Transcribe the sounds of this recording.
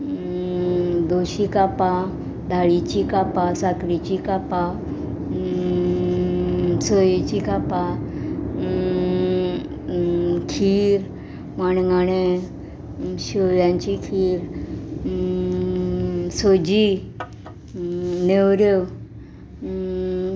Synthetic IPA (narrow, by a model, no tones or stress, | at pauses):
d̪oɕikapa | d̪ʱaɭit͡ɕikapasakɾit͡ɕikapa | sɔjet͡ɕikapa | kʰiɾ | manɡaɽ̃e | ɕəjãɲt͡ɕikʰiːɾ | sod͡ʑi | newɾjə